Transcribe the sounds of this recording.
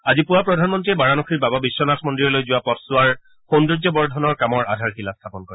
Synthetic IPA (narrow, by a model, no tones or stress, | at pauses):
azipʊapɹɔdʱanmɔntɹibaɹanɔxʰiɹbababisːɔnasmɔndɹiɔlojzʊwapɔtsʊaɹ | xonduzɔbɔɹdʱɔnɔɹkamɔɹa̰dʱaɹxilast̪ʰapɔnkɔɹɛ